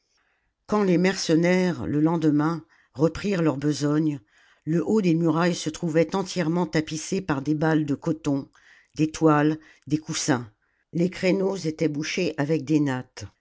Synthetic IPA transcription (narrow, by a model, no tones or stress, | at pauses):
kɑ̃lemɛʁsənɛʁləlɑ̃d̪mɛ̃ | ʁəpχiʁlœʁbəzɔɲ | ləʔod̪emyʁajsət̪χuvɛt̪ɑ̃t̪jɛʁmɑ̃t̪apisepaʁd̪ebald̪əkɔt̪ɔ̃ | d̪et̪wal | d̪ekusɛ̃ | lekχenozet̪ɛbuʃeʔavɛk̚d̪enat̪